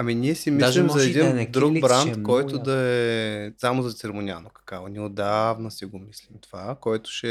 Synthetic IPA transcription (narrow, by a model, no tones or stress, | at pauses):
ɐminʲiɛsimislimzɐɛd̪ind̪ɾuɡbɾant̪kɔjt̪ʊd̪ɐɛsamozɐt̪sɛɾmonʲia̰nokɐ̥kaonʲɛod̪avnɐsiɡomislimt̪ovakɔjt̪ʊ̥ʃɛ